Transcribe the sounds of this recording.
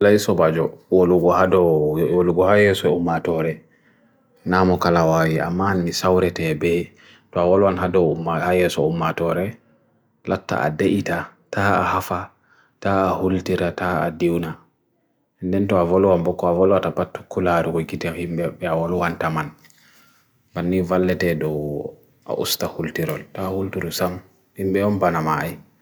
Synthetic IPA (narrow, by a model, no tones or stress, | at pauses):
laisɔbad͡ʒɔwoluɡɔhadɔwoluɡɔhajɛsɔumːatɔɾɛ | namɔkalawawia̰mːanmisawɾɛtɛbɛ | tɔawɔlwanɦadɔumahajɛsɔumːatɔɾɛ | latːa̰a̰daʔitatʰaːahafa | taːhultiɾataa̰diwna | ɛndɛntɔavɔluwambɔkːɔavɔlwatapatːu̥kːulaɾukɔɡitɛhimbɛbɛawɔlwantaman | banːivalːɛtɛdɔw | ʔa̰ʔṵstahultiɾɔltaːhultiɾusam | himbɛɔnbanamaj